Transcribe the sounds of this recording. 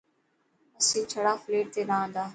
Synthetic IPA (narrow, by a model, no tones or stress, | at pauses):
əsĩːt͡ʃʰəɽaːfleːʈ̚t̪eːnaːə̃ːnd̪aː